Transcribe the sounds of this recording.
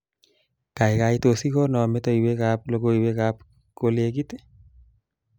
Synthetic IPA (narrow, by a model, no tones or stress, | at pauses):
kaikaitosikonɔmetɔiwekap̚lokoiwekap̚ | kolek̬ite̥